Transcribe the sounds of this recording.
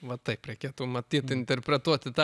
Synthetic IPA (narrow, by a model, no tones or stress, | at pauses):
ʋɐt̪ɐɪpɾʲɛɪkʲeːt̪ʊmɐt̪ʲiːt̪ɪnʲt̪ʲɛrʲpʲɾʲɛt̪uɔt̪ʲɪt̪ɑ